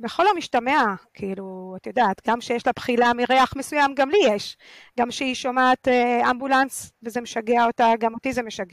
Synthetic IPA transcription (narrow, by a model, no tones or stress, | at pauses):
beχo̞lomiʃtameakʰiiluat̪ajod̪aːt̪ɡamʃejeʃlapχilamiʁeaχmesujamɡamlijeʃ | ɡamʃeiʃomaːt̪eambulansvezemeʃaɡeaotaɡamotizemeʃaɡe